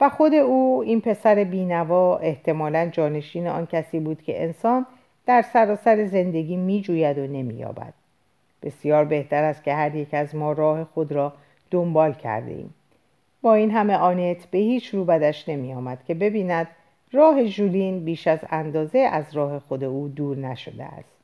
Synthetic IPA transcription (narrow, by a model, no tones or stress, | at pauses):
væxo̞d̪e̞uːiːnpʰe̞sæɾe̞biːnævɒːe̞ht̪ʰe̞mɒːlænd͡ʒɒːne̞ʃiːneɒːncʰæsiːbuːd̪̥cʰe̞̰ʔḛnsɒːn | d̪̥æɾsæɾɒːsæɾe̞ze̞nd̪e̞ɡʲiːmiːd͡ʒuːjæd̪o̞ne̞mḭːjɒ̰ːbæ̰d̪̥ | b̥e̞sijɒːɾbe̞ht̪ʰæɾæst̪̚cʰe̞hæɾje̞cæzmɒːɾɒːhe̞xod̪ɾɒː | d̪̥ombɒːlcʰæ̰ɾd̪ḛḭːm | bɒːiːnɦæme̞ʔɒːne̞t̪ʰbe̞hiːt͡ʃʰruːbæd̪æʃne̞miːjɒːmæd̪̥cʰe̞be̞biːnæd̪̥ | rɒːɦe̞ʒuliːnbiːʃæzænd̪ɒːze̞ʔæzɾɒːhe̞xo̞d̪e̞uːd̪uːɾnæʃo̞d̪ḛæ̰st̪